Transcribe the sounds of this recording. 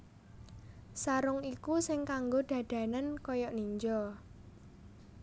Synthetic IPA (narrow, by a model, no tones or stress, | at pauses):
saɾʊŋikusɪŋkaŋɡoɖ̪̥ä̤d̥ä̤nankɔjɔʔniɲd͡ʒɔ